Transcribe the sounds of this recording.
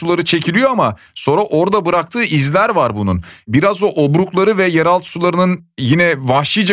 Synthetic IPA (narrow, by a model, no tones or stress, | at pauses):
ulˠaɾɯt͡ʃʰe̞cʰilʲijo̞ama | so̞nɾaʔo̞ɾd̪abɯɾak̚t̪ʰɯːʔizlʲæɾvaɾbunṵnbiɾazoʔobɾuklˠaɾɯvɛjaɾalˠt̪ʰɯ̥sulˠaɾɯnɯnjinɛvahʃlˠijd͡ʒa